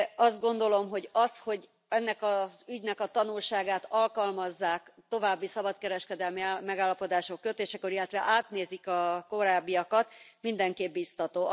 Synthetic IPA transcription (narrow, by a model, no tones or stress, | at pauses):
ɒzd̪̚ɡo̞nd̪o̞lo̞mɦo̞ɟɒsho̞ɟ | ɛnːɛkɒzyɟnɛkɒt̪ɒnulʃaːɡaːt̪ɒlkɒlmɒzːaːkt̪o̞vaːbːisɒbɒt̪̚kɛɾɛʃkɛd̪ɛlmimɛɡaːlːɒpo̞d̪aːʃokːøt̪eːʃɛkoɾilːɛt̪ʋɛʔaːt̪neːzikɒko̞ɾaːbːijɒkɒt̪mind̪ɛŋkeːb̚bist̪ɒt̪oː